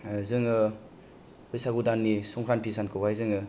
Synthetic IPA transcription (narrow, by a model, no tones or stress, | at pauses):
zɯŋɯ | pʰɯjsaɡudanːisɔŋkʰɾantisankʰɯbajzɯŋɯ